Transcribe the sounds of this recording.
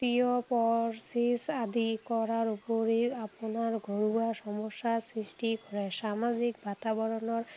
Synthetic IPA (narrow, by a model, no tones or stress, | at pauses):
ijɔpɔɹsisad̪ikɔɹaɹupoɹiapʊnaɹɡʱɔɹuasɔmɔsːasɹistikɔɹɛsamazik̚batabɔɹɔnɔɹ